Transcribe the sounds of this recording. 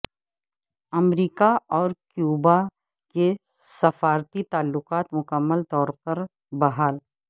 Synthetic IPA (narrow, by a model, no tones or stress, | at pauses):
ɐmɾiːkaɔːɾkjuːba | ke | sɐfaːɾt̪it̪aːlːʊqaːt̪mʊkəmːəlt̪ɔːɾpɐɾ | bɐɦaːl